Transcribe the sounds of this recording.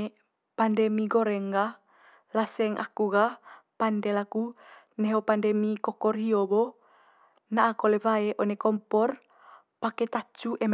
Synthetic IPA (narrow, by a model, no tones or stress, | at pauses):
pandɛmiɡoɾɛŋɡa | lasɛŋʔa̰kuɣapandɛlaku | neɦopandɛmikɔkɔrɦiobo | naʔːkolevaeʔonekɔmpɔr | paket̪at͡ʃuʔɛm